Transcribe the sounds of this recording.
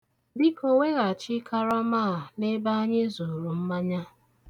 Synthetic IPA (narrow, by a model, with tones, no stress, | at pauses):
bi˦ko˨we˦ɣa˨t͡ʃɪ˦kʰa˦ɾɔ˦maː˦˨ne˦ba˦a˦ɲe˦zo˨ɾu˨m̩˦ma˦ɲa˦